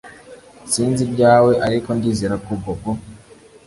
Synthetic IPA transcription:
siːnzibɟaːwe̞ʔaɾiko̞ndiːziɾakuboɡo

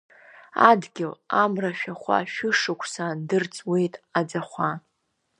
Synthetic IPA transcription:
adɡʲɪlamraʃᶣaχʷa̰ʃᶣʊʂɨkʷʰsadɨrt͡sʼwejtʼad͡zaχʷa

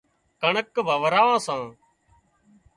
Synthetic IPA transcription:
kəɳəkʋəːʋɾaːʋãːsãː

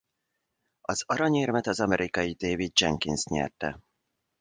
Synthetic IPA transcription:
ɒzɒɾɒɲeːrmɛt̪ɒzɒmɛɾʔikɒjid̪eːvid̪̚d͡ʒɛ̰ŋkinsɲɛ̰rt̪ɛ̰

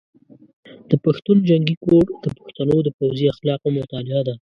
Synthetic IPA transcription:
d̪̥əpaxt̪und͡ʒaŋɡikoɽd̪̥əpʊ̥xt̪anod̪əpawziaxlɑqomʊt̪ɑlɪad̪a

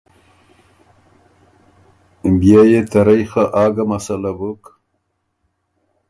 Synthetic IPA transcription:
bjajet̪aɾajxaʔaːɡamasalabək

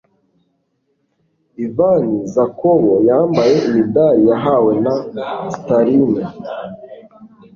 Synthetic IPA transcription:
ivanizakoβojaːmbaje̞ʔimidaɾijaɦawe̞nastaɾini

